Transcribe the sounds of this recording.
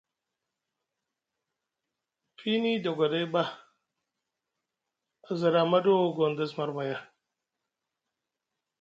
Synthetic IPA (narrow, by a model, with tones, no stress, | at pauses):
fʰi˦ni˦do˨ɡa˨da˦jba˦ | a˨za˨ɾa˨ma˦do˦˨ɡo˨nd̪a˦sma˨ɾba˨ja˦˨